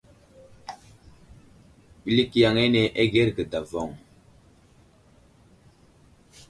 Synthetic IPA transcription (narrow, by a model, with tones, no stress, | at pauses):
ɓi˦li˦ki˦ja˨ŋɛ˦ne˨ʔe˦ɣɛ˦ɾɡə˨da˨vɔ˨ŋ